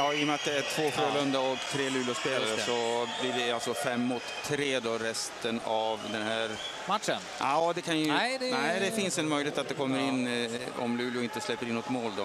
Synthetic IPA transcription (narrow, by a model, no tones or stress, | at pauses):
jɑːɪːɔmat̪̚d̪ɛæʈʰv̥oːfølɵnd̪aɔkt̪ʰɾeːlʉ̟ːlʊspeːlaɾəsɔblɪvɪalsɔfɛmːʊt̪ʰːɾeːd̪oɾɛst̪ənavd̪ɛnhæːɾ | mat̪ʂənɑːd̪ɛkʰanjəd̪ɛnɛɪd̪ɛfɪnsɛnmœjlɪt̪at̪̚d̪ɛkʰɔmːəɾɪnːɔ̰mlʉːljʊɪnt̪əslɛpːəɾɪnːɔt̪moːld̪ɔ